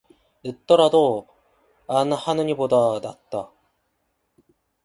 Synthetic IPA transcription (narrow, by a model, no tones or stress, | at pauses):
nɯt̪͈ːoɾad̪o | anɯhanɯɲibod̪ad̪at̪͈ːa